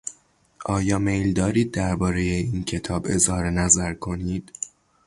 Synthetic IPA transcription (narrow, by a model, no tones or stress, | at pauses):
ʔɒːjɒːme̞jld̪ɒːɾiːd̪̚ːæɾbɒːɾejeiːncʰe̞t̪ʰɒːbe̞zhɒːɾe̞næzæɾkʰo̞niːd̪̥